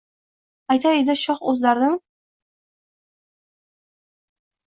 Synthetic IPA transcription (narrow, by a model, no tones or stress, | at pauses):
ajt̪ʰaed̪ɪʃɒχɵzlaɾd̪ɪm